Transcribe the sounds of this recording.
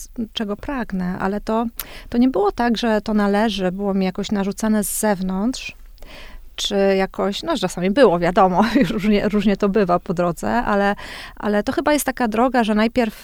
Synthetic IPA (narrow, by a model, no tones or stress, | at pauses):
t͡ʂɛɡɔpɾaɡnɛʔa̰lɛt̪ɔt̪ɔɲɛbɘwɔt̪aɡʐɛt̪ɔnalɛʐɘbɘwɔmʲijakɔɕnaʐut̪sanɛzːɛvnɔnt̪ʂ | t͡ʂɘjakʰɔɕnɔt͡ʂasamʲibɘwɔvʲjad̪ɔmɔjuʂɾuʐɲɛɾuʐɲɛt̪ɔbɘvapɔd̪ɾɔd̪zɛ̰ʔa̰lɛʔa̰lɛt̪ɔxɘbajɛst̪ːakad̪ɾɔɡaʐɛnajpʲɛɾf